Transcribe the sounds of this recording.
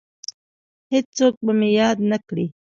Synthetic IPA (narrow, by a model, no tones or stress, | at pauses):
hed͡ʒt͡sok̚bamejɑd̪nakɽi